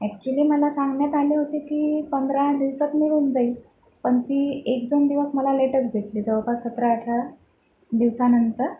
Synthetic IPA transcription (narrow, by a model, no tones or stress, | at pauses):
ɛk̚t͡ɕuliːməlasaŋɡɳjat̪aliɦot̪iːkiːpənd̪ʱɾad̪iʋsat̪miɭuːnd͡zaiːl | pəɳt̪iːek̚d̪ond̪iʋəsməlaleʈət͡sɡʱeʈlid͡zəʋpasət̪ɾəːʈʰa | d̪iʋsanənt̪əɾ